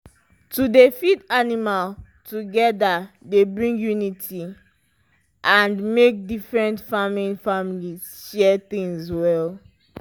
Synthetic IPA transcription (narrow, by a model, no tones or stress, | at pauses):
tudefidanimal | tuɡɛda | debɹĩŋɡjunitʰi | ʔãndmek̚difɹɛ̃ntfaminfamilizʃɛt̪ĩŋzwɛl